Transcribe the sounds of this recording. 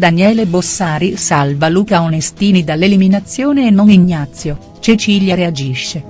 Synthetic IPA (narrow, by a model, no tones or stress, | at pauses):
d̪anjɛːlebosːaːɾisalvaluːkaonest̪iːnid̪alːeliminat̪sːjoːneːnːoŋiɲːat̪sːjo | t͡ʃet͡ʃiːljaɾead͡ʒiʃːe